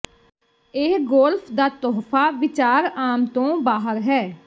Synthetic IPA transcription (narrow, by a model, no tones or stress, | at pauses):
eːɡoːlpʰd̪aːt̪ɔːpʰaːʋɪt͡ʃaːɾaːmt̪õːbaːɦəɾɦɛː